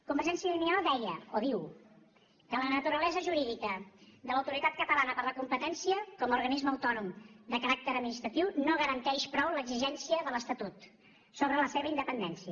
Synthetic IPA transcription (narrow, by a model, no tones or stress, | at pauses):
kumbəɾʒɛnsjiəlinialˠd̪ɛjə̰oðiw | kələnət̪uɾəlɛzəʒuɾiðikəd̪ələwt̪uɾit̪at̪̚kət̪əlanəpəɾləkumpət̪ɛnsiəkɔmuɾɣənizməəwt̪ɔnumd̪əkəɾak̚t̪əɾəd̪minist̪ɾət̪iwnoɣəɾənt̪ɛʃpɾɔwləɡziʒɛnsiəðələst̪ət̪ut̪ | soβɾələseβəind̪əpənd̪ɛnsiə